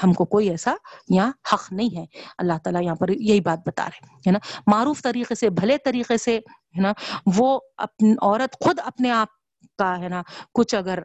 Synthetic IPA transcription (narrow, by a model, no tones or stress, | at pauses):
hɐmkokoːiɛːsajɐɦãhɐqnɐɦĩɦɛɐlːaɦt̪aːlajɐɦãpɐɾjɐɦibaːt̪̚bɐt̪a̰ːɾeɛ | ɦɛːnamaːɾuːft̪ɐɾiːqesebʱɐlet̪ɐɾiːqese | ɦɛnaʋoɐ̰p̚nɔːɾət̪xʊd̪ɐpneaːp̚ | kaɦɛːnakʊt͡ʃʰɐɡəɾ